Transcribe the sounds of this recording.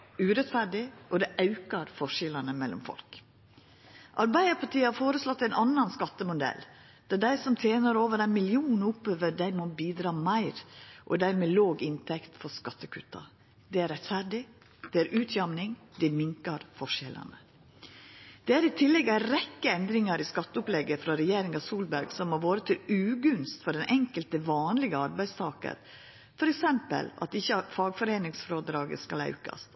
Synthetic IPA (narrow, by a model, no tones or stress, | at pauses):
ʉːɾɛt̪fæɾɖɪʔɔd̪ɛʔɑʉkɑɾfɔʂɛlɑnəmɛlːɔ̰mfɔ̰lk | ʔɑɾbæɪd̪əɾpʰɑʈʰiːhɑɾfoːɾəslɔt̪ːæɪnʔɑnːɑnskɑt̪ːəmʊd̪ɛ̰l | d̪̥ɑɖæɪsɔmt̪ʰeːnɑɾoːʋəɾæɪnmɪlɪuːnʊpøːʋəɖæɪmoːbiːd̪ɾɑːmæɪɾʔɔ̰d̪æɪɾmeːloːɡɪnt̪ʰɛkt̪fɔskɑt̪ːəkʰʉ̰t̪ɑ̰ | d̪ɛæɾɛt̪fæɾɖɪ | d̪̥ɛæɾʔʉːt̪ʰjɑmnɪŋd̪̥ɛmɪŋkɑɾfɔʂɛlɑ̰nə | d̪̥ɛæɾɪt̪ʰɪlːɛɡæɾɛkːəɛnd̪ɾɪŋɑɾɪskɑt̪ːəʊplɛɡːəfɾɑɾɛjeːɾɪŋɑsuːlbæɾɡsɔmːoʋoːɾət̪ʰɪlʉːɡʉnst̪fɔɖɛnʔɛŋkəlt̪əʋɑːnlɪɡəɑɾbæɪst̪ʰɑːkə̰ɾ | fɔɾɛksɛmpə̰lɑ̰t̪ɪçːəfɑːɡfɔɾeːnɪŋsfɾoːd̪ɾɑːɡə̰skɑlɑ̰ʉkɑ̰st̪